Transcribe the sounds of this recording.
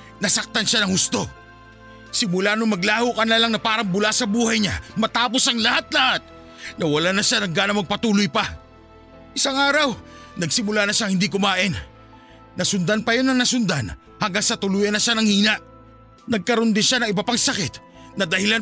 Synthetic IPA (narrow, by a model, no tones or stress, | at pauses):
nɐsɐk̚t̪anʃanɐŋhʊst̪o̞ | sɪmʊlaːnoŋmɐɡlaːhokɐnɐlaŋnɐpaːɾɐŋbʊlasɐbuːhɐjɲamɐt̪aːpo̞sɐŋlɐhat̪̚lɐhat̪̚ | nɐwɐlanɐʃanɐŋɡaːnɐmɐɡ̚pɐt̪uːlʊjpɐ | ʔɪsaŋaːɾɐw | nɐɡsɪmʊlanɐʃaŋhɪnd̪ikʊmaːʔɪnː | ɐsʊnd̪anpɐjo̞nːɐŋnɐsʊnd̪an | haŋɡaŋsɐt̪ʊluːjɐnɐʃanɐŋhiːnɐʔ | nɐɡ̚kɐɾond̪ɪnʃanɐŋɪbapɐŋsɐkɪt̪̚ | nɐd̪ɐhɪlan